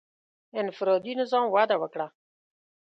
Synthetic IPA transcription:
ɪnfɪɾoːd̪inɪzɑːmwaːd̪awəkɽa

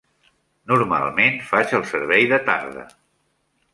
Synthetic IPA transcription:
nuɾma̰lˠmenfat͡ʃəlˠsəɾβɛjðət̪a̰ɾðə̰

